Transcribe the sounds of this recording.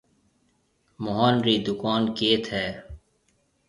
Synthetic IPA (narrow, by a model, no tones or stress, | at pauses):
mʊɦaːnɾiːd̪ʊkaːnkeːt̪ɦɛː